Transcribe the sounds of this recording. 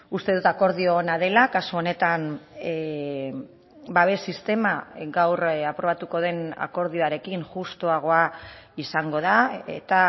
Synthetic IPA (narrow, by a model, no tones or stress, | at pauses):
ust̪e̞ð̞ut̪ako̞ɾðioːnaðe̞lakasuo̞ne̞t̪an | baβe̞sist̪e̞maɡawrapɾo̞βat̪uko̞ð̞e̞na̰ko̞ɾð̞ioaɾe̞kiŋʝust̪oaɣ̞o̞aisaŋɡo̞ð̞aḛt̪a